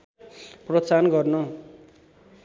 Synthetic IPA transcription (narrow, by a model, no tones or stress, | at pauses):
prʌt͡sanɡʌrnʌ